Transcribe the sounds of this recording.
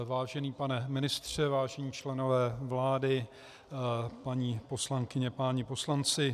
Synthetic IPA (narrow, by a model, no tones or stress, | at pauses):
vaːʒɛniːpanɛmɪnɪst̪r̝̥ɛvaːʒɛɲiːt͡ʃlɛno̞vɛːvlaːdɪ | paɲiːposlaŋkɪɲɛpaɲɪpo̞slant͡sɪ